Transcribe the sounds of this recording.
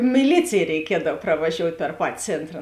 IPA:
mʲɪˈlʲiːt͡sʲeːj rʲɛɪˈkʲiɛdɐw prɐʋɐˈʒʲoːʊtʲ pʲɛr ˈpɑːtʲɪ ˈt͡sʲeːntrɐ

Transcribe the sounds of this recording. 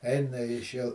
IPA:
ˈɛɪnɐ ɪʃ jɛʊ

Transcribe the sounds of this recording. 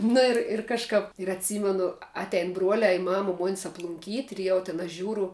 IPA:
nʊ ɪr ɪr kɐʃˈkɐp ɪr ɐtʲˈsʲiːmʲɛnʊ ˈɑːtʲɛɪn ˈbruɔlʲɛː ɪ ˈmɑːmɐ ˈmuɔnʲɪs ɐplˠʊŋʲˈkʲiːtʲ ɪr ˈjɛʊ tʲɪn ɐʃ ˈʒʲuːrʊ

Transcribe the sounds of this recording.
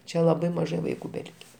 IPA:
ˈt͡ʃʲɛ lˠɐˈbɐɪ mɐˈʒɐɪ ʋɐɪˈkuː bʲɛˈlʲɪkʲɛ

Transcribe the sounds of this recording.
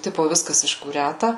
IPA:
ˈtʲɪpoː ˈʋʲɪskɐs ɪʃkuːˈrʲætɐ

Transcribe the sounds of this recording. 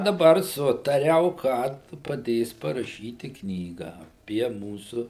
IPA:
dɐˈbɐr ˈsʊtɐrʲɛʊ kɐt pɐˈdʲeːs pɐrɐˈʃʲiːtʲɪ ˈknʲiːɡɑː ɐˈpʲiɛ ˈmuːsʊ

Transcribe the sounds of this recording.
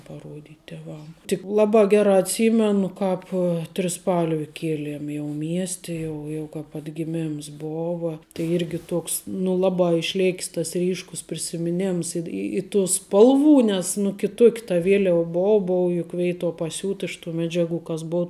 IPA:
pɐˈruɔdʲiːtʲ tʲɛˈʋɐm tʲɪk ˈlˠɑːbɑː ˈɡʲæːrɑː ɐtʲˈsʲiːmʲɛnʊ ˈkɑːp tʲrʲɪˈspɐlʲʋʲɪ ˈkʲiɛlʲiɛm jɛʊ ˈmʲiɛsʲtʲɛ ˈjɛʊ jɛʊ kɐp ɐdʲɡʲɪˈmʲɛms ˈboːʋɐ tɐɪ ˈɪrʲɡʲɪ ˈtoːks nʊ ˈlˠɑːbɑː ɪʃʲˈlʲeːkʲs tɐs ˈrʲiːʃkʊs pʲrʲɪsʲɪmʲɪˈnʲɛms ɪ ɪ tuː ˈspɐlˠˌʋuː nʲɛs nʊ kʲɪˈtuɔkʲ tɐ ˈʋʲiɛlʲɛʋɐ ˈboːʊ ˈboːʊ jʊk ˈʋʲɛɪtuɔ pɐˈsʲuːt ɪʃ tuː ˈmʲæːd͡ʒʲɛˌɡuː kɐs ˈboːʊ

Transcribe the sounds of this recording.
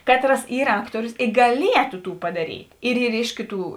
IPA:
ˈkɑːtˌrɐs ˈiːr ˈɑːktoːrʲʊs ɡɐˈlʲiɛtʊ ˈtuː pɐdɐˈrʲiːtʲ ɪr ˈiːr ˈɪʃ kʲɪˌtuː

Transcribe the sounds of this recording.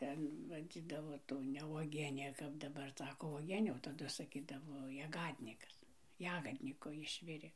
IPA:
ˈtʲɛn ʋɐˈd͡zʲiːdɐʋoː ˈtuː nʲɛ ʋuɔˈɡʲiɛnʲeː kɐp dɐˈbɐr ˈsɑːkoː ʋuɔˈɡʲiɛnʲeː oː tɐˈdʊ sɐˈkʲiːdɐʋoː jɛˈɡɑːdʲnʲɪkɐs ˈjæːɡɐdʲnʲɪkoː ˈɪʃʲʋʲɪrʲeː

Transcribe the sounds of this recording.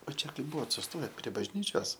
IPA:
oː ˈt͡ʃʲɛ ˈkɐɪ ˈbʊʋoːt sʊsˈtoːjɛ pʲrʲiɛ bɐʒʲˈnʲiːt͡ʃʲoːs

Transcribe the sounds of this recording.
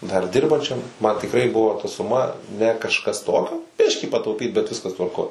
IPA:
dɐr ˈdʲɪrbɐnʲt͡ʃʲɛm mɐn tʲɪkˈrɐɪ ˈbʊʋoː tɐ sʊˈmɐ nʲɛ kɐʃˈkɐs ˈtoːkʲoː ˈbʲɪʃʲkʲiː pɐtɐʊˈpʲiːt bʲɛt ˈʋʲɪskɐs tʋɐrˈkoːj

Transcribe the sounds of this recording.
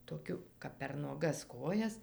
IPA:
toːˈkʲʊ kɐp pʲɛr nuɔˈɡɐs ˈkoːjɛs

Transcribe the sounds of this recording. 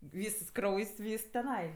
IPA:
ˈʋʲiːsɐs ˈkrɐʊjsʲ ˈʋʲiːs tʲɛˈnɐɪ

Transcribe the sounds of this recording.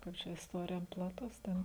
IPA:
ˈkɐɪp t͡ʃʲɛ ɪsˈtoːrʲɪjɛ plˠɐˈtʊs ˈtʲɛn

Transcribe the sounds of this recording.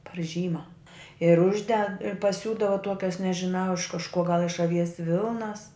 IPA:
pɐr ˈʒʲiːmɐ ɪr ˈʊʒʲdʲɛt pɐˈsʲuːdɐʋɐ ˈtuɔkʲɛs nʲɛʒʲɪˈnɐʊ ɪʃ kɐʃˈkuɔ ɡɐlˠ ɪʃ ɐˈʋʲiɛs ˈʋʲɪlˠnɐs

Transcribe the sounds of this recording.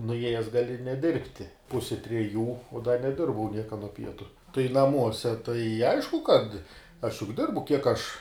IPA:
nʊˈeːjɛs ɡɐˈlʲɪ nʲɛˈdʲɪrʲpʲtʲɪ ˈpʊsʲɪ tʲrʲɛˈjuː uɔ dɐ nʲɛˈdʲɪrbɐʊ ˈnʲiɛkɐ nuɔ ˈpʲiɛtʊ tɐɪ nɐˈmuɔsʲɛ tɐɪ ˈɐɪʃkʊ kɐt ɐʃ jʊk ˈdʲɪrbʊ kʲiɛk ɐʃ

